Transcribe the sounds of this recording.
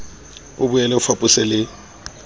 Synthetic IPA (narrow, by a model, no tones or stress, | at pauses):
ʊbʊjɛlɛʊfapʼʊsɛlɪ